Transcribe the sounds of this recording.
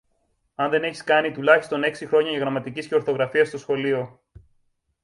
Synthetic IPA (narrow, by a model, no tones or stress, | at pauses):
ɐnðe̞ne̞çiskɐnit̪ulɐçist̪o̞ne̞ksixɾo̞ɲɐʝɐɣɾɐmɐt̪icisce̞o̞ɾθo̞ɣɾɐfiɐst̪osxo̞lio̞